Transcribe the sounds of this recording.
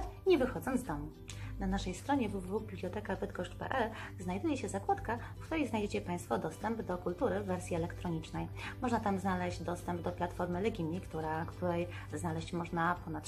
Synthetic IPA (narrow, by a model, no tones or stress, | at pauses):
ɲɛvɘxɔd̪zɔnd̪zd̪ɔmu | nanaʂɛjst̪ɾɔɲɛvuvuvubʲiblʲjɔt̪ɛkavɘt̪̚kɔʂpɛ̰ʔɛlznajd̪ujɛɕɛzakwat̪kafkt̪uɾɛjznajd͡ʑet͡ɕɛpaj̃st̪fɔd̪ɔst̪ɛmbd̪ɔkult̪uɾɘvɛɾsʲjiɛlɛkt̪ɾɔɲit͡ʂnɛjmɔʐnat̪amznalɛʑd͡ʑd̪ɔst̪ɛmbd̪ɔplat̪fɔɾmɘlɛɡʲimʲːikt̪uɾakt̪uɾɛj | znalɛɕt͡ɕmɔʐnapɔnat̪